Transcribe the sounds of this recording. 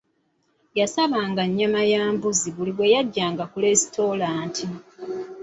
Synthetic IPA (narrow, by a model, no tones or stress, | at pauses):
jasaβaːŋɡaɲːamajaːmbuziβuliβwe̞jaɟːaːŋɡakule̞stʰo̞laːntʰi